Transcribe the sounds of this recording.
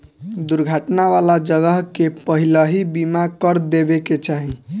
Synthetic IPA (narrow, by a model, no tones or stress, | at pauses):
d̪uɾɡʱaʈnaʋalad͡ʒəɡəɦkepəɦiləɦibimakəɾd̪ebeket͡ʃaɦi